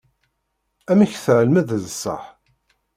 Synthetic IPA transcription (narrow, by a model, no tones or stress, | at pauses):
æmæçθəʕəlmæðəzəsˤːə̰ħ